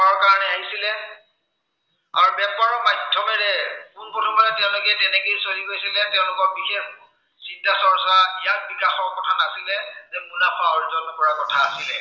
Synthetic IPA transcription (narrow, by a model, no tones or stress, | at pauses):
ɔɹkaɹanɛaɦisilɛ | a̰ɹubɛpɔɹɔmajdʰʱɔmɛɹɛkunpotʰumantɛʊ̃lʊkɛtɛnɛkejsoliɡojsilɛtɛʊ̃lʊkɔɹbixex | sitːasɔɹsaijat̚bikaxɔɹkɔtʰanasilɛzɛkunapʰaɔɹzɔnɔpɔɹakɔtʰaːsilɛ